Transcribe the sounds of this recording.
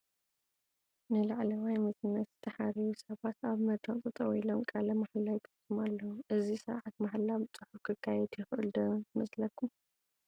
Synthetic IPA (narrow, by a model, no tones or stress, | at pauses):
nɨlaʕlɐwajmɐsɨnːɐt̪zɨt̪ʰɐħaɾiwusɐβat̪aβmɐt̪ʰont̪ʼɨt̪ʼɐwilomkʼalɐmaħlawt̪ʰɐsumalːɐwuʔɨzisɐ̰ɾʕat̪maħlabt͡sʼɨħukʰɨkʰːajɛd̪jɪxʔɨld̪ɐnmɐslɐkʰːum